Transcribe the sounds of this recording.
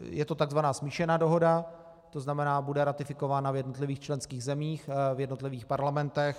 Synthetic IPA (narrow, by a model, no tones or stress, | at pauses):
jɛt̪ot̪aɡzvanaːsmiːʃɛnaːdo̞ɦo̞da | t̪o̞znamɛnaːbudɛɾat̪ɪfɪko̞vaːnavjɛdno̞t̪lɪviːxt͡ʃlɛnskiːɣzɛmiːxvjɛdno̞t̪lɪviːxpaɾlamɛnt̪ɛx